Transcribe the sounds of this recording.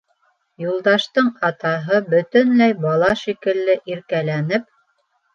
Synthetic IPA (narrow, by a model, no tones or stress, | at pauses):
julˠd̪ɑʃt̪ɤɴɑt̪ɑɦɤbɵ̆t̪ɵnlæjbɑlˠɑʃikɘ̆lːɘʔiɾkælænɘp